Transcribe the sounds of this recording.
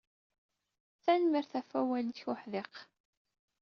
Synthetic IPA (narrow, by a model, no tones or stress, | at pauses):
θænmiɾθæfæwæld̪çʊħðeq